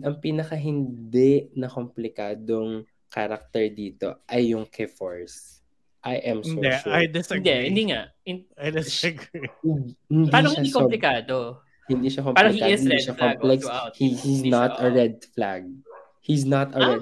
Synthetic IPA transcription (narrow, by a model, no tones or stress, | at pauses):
ɐŋpiːnɐkɐɦɪnd̪ɛnɐkomplɪkaːd̪oŋ | kaɾak̚t̪ɛɹd̪iːt̪o̰ʔɐjːʊŋkʰɛfoɹs | ʔajʔɛmsoʃajd̪ɛsnd̪ɛɪ̃nd̪iŋaʔɪajd̪ɛsɡihɪnd̪aːnõaikoplɪkaːd̪o | hɪnd̪iːʃɐkompɛɾoɪhikaɪɪniʃɐkɔplɛkshihisnat̪ɐɹɛd̪̚fla̰ɡ̚ | his̬nɐt̪ɐɹɛd̪